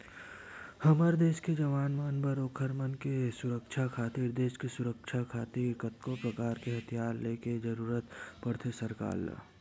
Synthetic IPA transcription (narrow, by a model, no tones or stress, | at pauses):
hɐməɾd̪eːʃked͡ʒəʋaːnmaːnbəɾoːkʰəɾmənkesʊɾəkʃʰakʰaːt̪iɾd̪eːʃkesʊɾəkʃʰakʰaːt̪iɾkət̪kopɾəkaːɾkeɦət̪ʰijaːɾleːked͡ʒəɾuːɾət̪pɐɽt̪ʰesəɾka̰ːl̰